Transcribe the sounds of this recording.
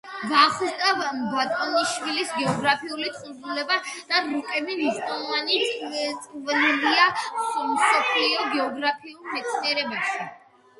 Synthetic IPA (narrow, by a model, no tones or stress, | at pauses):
ɡaχt̪ʼavbat̪ʼɔniʃwilisɡɛɔɡɾapʰiulit̪χʼuɾd̪ulɛbad̪̥aɾukʼɛbiniʃt̪ʼanɔvanit̪ʼqʼvliamsɔpʰliɔɡɛɔɡɾapʰiulˠmɛt̪sʰniɛɾɛbɛpʃi